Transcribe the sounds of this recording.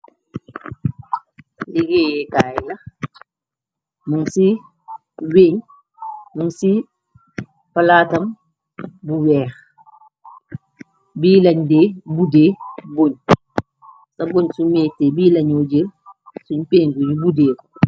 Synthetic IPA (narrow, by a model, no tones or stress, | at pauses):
liɡɛːjɛkaːjlɐ | muŋsi | weːɲ | muŋsi | pɐlaːtɐm | buwɛːx | biːlɐɲdeːbudeːboɲ | sɐboɲsumɛːtːebiːlɐɲɔd͡ʒelsuɲpeːɲbuɲbudeːɾ